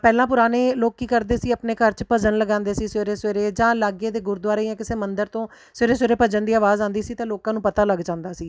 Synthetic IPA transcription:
pɛːlãːp̬ʊɾaːneːloːkːiːkəɾd̪eːsiːəpneːkəɾt͡ʃpəd͡ʒənləɡãːnd̪eːsiːseːɾeːseːɾeːd͡ʒãːlaːɡeːd̪eːɡʊɾd̪waːɾejãːkɪseːmənd̪əɾt̪õː | seːɾeːsweːɾeːpəd͡ʒənd̪iːaːʋaːzãːnd̪iːsiːt̪ãːloːkãːnũːpət̪aːləɡd͡ʒãːnd̪aːsiː

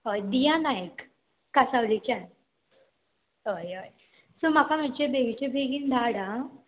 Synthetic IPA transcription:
ɦojd̪ijãnajk | kːasaʋlikt͡ɕan | ojoj | sumakamət͡ɕebʱeɡit͡ɕebʱeɡind̪ʱaɽã

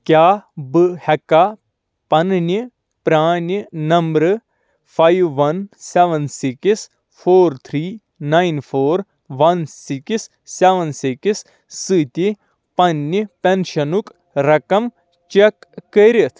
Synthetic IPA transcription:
kʲjaːbɨhɐka | pɐnni | pɾaːnʲinɐmbɾ | pʰajʋːɐnseʋɐnsiks | pʰoːɾt̪ʰɾiː | najnfʰoːɾ | ʋɐnsiksː | eʋɐnsiksː | ɨːt̪ʲi | pɐnːipenʃɐnuk | ɾɐkɐm | t͡ʃekːɐɾit̪ʰ

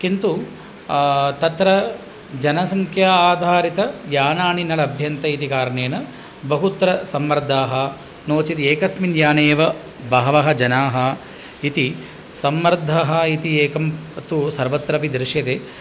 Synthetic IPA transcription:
kint̪u | t̪ɐt̪ɾɐ | d͡ʒɐnɐsɐŋkʰjaːaːd̪ʱaːɾit̪ɐjaːnaːɳinɐɭɐɐbʱjɐnt̪ɐit̪ikaːɾɐɳeːnɐ | bɐɦut̪ɾɐsɐmʋɐɾd̪ʱaːɦɐ | noːt͡ʃit̪ieːkɐsminjaːneːʋɐ | bɐːʋɐɦɐd͡ʒɐnaːɦɐ | it̪i | sɐmʋɐɾd̪ʱaɦɐit̪ieːkɐmt̪usɐɾʋɐt̪ɾɐpid̪ɾɪʂjɐt̪eː

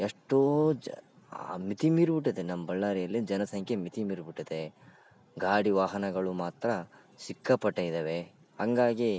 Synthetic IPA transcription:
eʂʈːoː | mit̪imiːɾbiʈːid̪enɐmɐbɐɭːaːɾijɐlːid͡ʒɐnɐsɐŋkʰemit̪imiːɾubiʈːid̪e | ɡaːɽiʋaːɦɐnɐɡɐɭumaːt̪ɾɐ | sikːɐpɐʈːɐjid̪ɐʋe | hɐŋɡaːɡi

